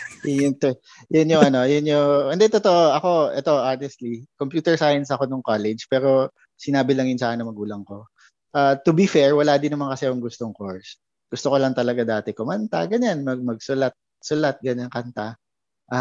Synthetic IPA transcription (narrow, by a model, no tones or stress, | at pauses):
jʊŋt̪ | jʊnjʊŋɐno̞jʊnɲoʔɐnd̪ɛt̪ot̪oʔoʔɐko̞ʔɛt̪o̞ʔanɛst̪likompjuːt̪ɛɹsajɐnsɐko̞nʊŋkolɛd͡ʒpɛːɾo̞ | sɪnaːbɪlɐŋjʊnsakɪnɐŋmɐɡuːlɐŋko̞ | ʔaːt̪ʊbifɛɹwɐlaːd̪ɪnɐmankɐsɛjʊŋɡʊst̪o̞ŋkoɹs | ɡ̥ʊst̪oko̞lɐŋt̪ɐlɐɡad̪aːt̪ɛkʊmɐnt̪a̰ɡɐɲanmɐɡ̚mɐɡ̚sʊlat̪̚ | sʊlat̪̚ɡɐɲaŋkɐnt̪a | ʔa